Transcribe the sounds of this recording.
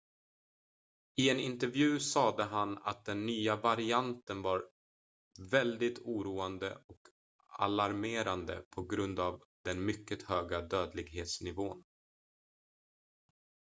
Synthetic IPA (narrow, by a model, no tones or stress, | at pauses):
ɪɛnɪnt̪ɛɾvjʉ̟ːsɑːd̪əɦana̰t̪̚d̪ɛnːyːavaɾɪant̪ənvɑɾ | vɛld̪ɪt̪ʰuːɾuːand̪ə̰ɔk | a̰laɾmeːɾand̪ə̰pʰɔɡɾɵnd̪avd̪ɛnmʏkːət̪høːɡad̪øːd̪lɪɡɦeːt̪snɪvoːn